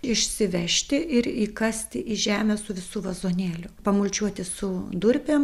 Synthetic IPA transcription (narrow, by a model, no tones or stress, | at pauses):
ɪʃʲsʲɪʋʲɛʃʲt̪ʲɪɪɾiːkɐsʲt̪ʲɪʔiːʒʲæːmʲɛsʊʋʲɪsuːʋɐzoːnʲeːlʲʊpɐmʊlʲt͡ʃʲuɔt̪ʲɪsʊd̪ʊɾʲpʲeːm